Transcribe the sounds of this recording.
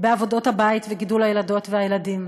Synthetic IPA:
beavo̞do̞thabaitveɡidulhajelado̞tveajeladim

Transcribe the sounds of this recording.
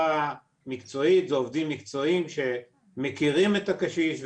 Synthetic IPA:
a | mikt͡so̞it̪zeovd̪imːikt͡so̞imʃe̞ | mekiʁime̞t̪akaʃiʃv

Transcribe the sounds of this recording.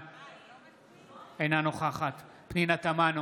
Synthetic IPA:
ejnanoχaχat̪ | pninat̪aman

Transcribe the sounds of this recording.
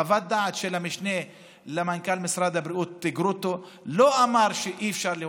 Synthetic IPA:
avat̪̚d̪aʕt̪ʃelamiʃne | lemankalmisɾad̪habɾiut̪ːiɡɾut̪o | loʔamaɾʃeʔiefʃaɾle

